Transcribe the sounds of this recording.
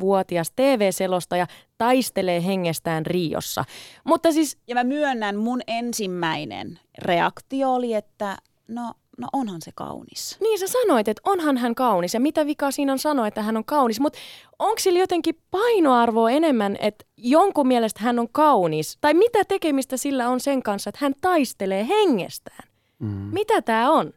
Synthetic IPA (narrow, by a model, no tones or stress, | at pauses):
ʋuɔt̪iɑst̪eːʋeːselost̪ɑjɑt̪ɑist̪eleːɦeŋːest̪æːnriːo̰sːɑ̰mut̪ːɑsisjɑmæmyønːænmunensimːæinḛn | reɑ̰kt̪ioːliet̪ːæ | no | no̰ʔonhɑnsekɑ̰unisniːnsæsɑnoit̪et̪onhɑnɦæŋkɑunisjɑmit̪æʋikɑːsiːnonsɑnoet̪ːæhænoŋkɑunismut̪ | oŋksiljot̪eŋkipɑinoɑrʋoːenemːænḛt̪ | joŋkumielest̪hænːoŋkɑunist̪ɑimit̪æt̪ekemist̪æsilːæonseŋkɑnsːɑet̪hænt̪ɑist̪eleːheŋːḛst̪æ̥ːn | mit̪æt̪æːon